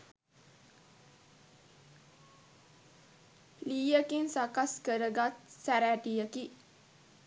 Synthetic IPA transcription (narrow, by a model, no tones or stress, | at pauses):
liːjəkinsakaskəɾəɡat̪̚sæɾæʈijəki